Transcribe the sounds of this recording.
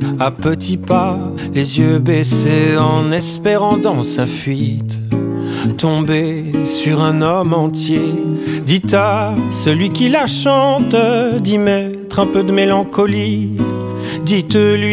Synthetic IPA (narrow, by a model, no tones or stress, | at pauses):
apət̪ʰipa | lezjøbeseɑ̃nɛspeʁɑ̃d̪ɑ̃safɥit̪ | t̪ɔ̃be | syʁɛ̃nɔmɑ̃t̪jed̪it̪asəlɥikʲilaʃɑ̃t̪d̪imɛ | t̪χɛ̃pød̪əmelɑ̃kɔli | d̪it̪lɥi